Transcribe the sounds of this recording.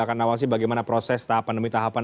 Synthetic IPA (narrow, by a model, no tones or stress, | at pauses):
akanawals̬ibaɡajmanapɾosɛst̪aɦapandəmit̪aɦapan